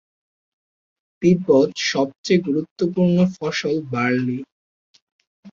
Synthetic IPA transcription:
pipot̪ʃɔb̚t͡ɕeɡuɾut̪ːop̬uɾnofɔʃolbaɾni

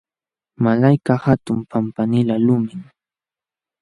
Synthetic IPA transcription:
malajkahat̪ʊmpampanɪlalʊmɪŋ

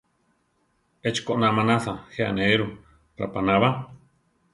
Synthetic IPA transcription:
et͡ʃkoʔnamanaθaxea̰neeɾu | ɾa̰panaβa

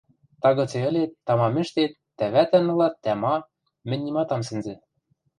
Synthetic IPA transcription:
t̪ɑɣɤ̆t͡seɘ̆lʲet̪ːɑmɑmɘ̆ʃt̪et̪ːæβæt̪ɘ̆nɤ̆lɑt̪ːæmɑ | mɘ̆nʲːimɑt̪ɑms̬ɘ̆nzɘ̆

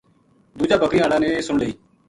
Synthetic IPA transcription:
d̪uːd͡ʒaːbəkɾiːaːlaːneːsʊɳləiː

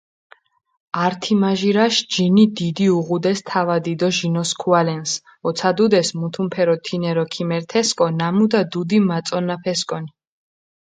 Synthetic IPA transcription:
aɾt̪ʰimaʒiɾaʃd͡ʒinid̪id̪iuʁud̪ɛst̪ʰavad̪id̪ɔʒinɔskʰualɛns | ɔt̪sʰad̪ud̪ɛsmut̪ʰumpʰɛɾɔt̪ʰinɛɾɔkʰimɛɾt̪ʰɛskʼɔnamud̪ad̪ud̪imat̪sʼɔnapʰɛskʼɔni

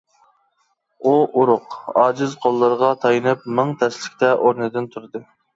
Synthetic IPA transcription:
uʔuɾʊqɑːd͡ʒɪzqʰolˠːəɾəʁɑt̪ʰɑjɨnɨp̚mɨŋt̪ʰɛslɪkʲt̪ʰɛʔoɾnɨd̪ɪnt̪ʰuɾɨd̪ɨ

